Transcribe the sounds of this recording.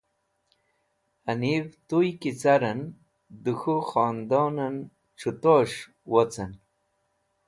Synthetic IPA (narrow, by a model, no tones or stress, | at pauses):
anivt̪ujkit͡saɾən | d̪uxuχɑːnd̪onan | ʈ͡ʂʰut̪oʂ | wot͡san